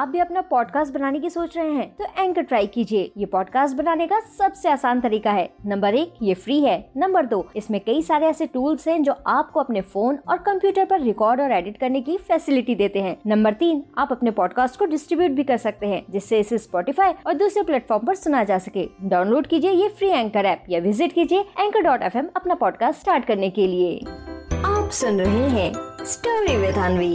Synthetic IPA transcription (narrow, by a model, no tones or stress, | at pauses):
aːp̚bʱiɐpnapɔːɖkaːsʈ̚bɐnaːnekisoːt͡ʃɾɐɦeɦɛ̃ːt̪oʔɛ̃ːŋkəʈɾaːɪkiːd͡ʒieːjepɔːɖkaːsʈ̚bɐnaːnekasɐbseaːsaːnt̪ɐɾiːkaɦɛːnɐ̃mbəɾeːkjefɾiːɦɛːnɐ̃mbəɾd̪oːɪsmẽkɐisaːɾeɛːseʈuːlzɦɛ̃d͡ʒoːʔaːp̚koɐpnefoːnɔːɾkɐ̃mpjuːʈəɾpɐɾːɪkɔːɾɖɔːɾɛːɖɪʈkɐɾnekifɛːsɪlɪʈid̪eːt̪eɦɛ̃ːnɐ̃mbəɾt̪iːnaːpɐpnepɔːɖkaːsʈkoɖɪsʈɾɪbjuːʈ̚bʱikɐɾsɐk̚t̪eɦɛ̃ːd͡ʒɪsːeɪsespɔːʈɪfaːiɔːɾd̪uːsɾeplɛːʈfɔːɾmpɐɾsʊnajad͡ʒaːsɐkḛːɖaːʊ̃nloːɖkiːd͡ʒiejefɾiːɛ̃ŋkɐɾɛːp̚jaʋɪzɪʈkiːd͡ʒieɛ̃ːŋkəɾɖɔːʈɛːfɛmɐpnapɔːɖkaːsʈsʈaːɾʈkɐɾnekelieː | aːpsʊnɾɐɦeɦɛ̃ːsʈəːɾʋiʋɪd̪ʱaːnʋiː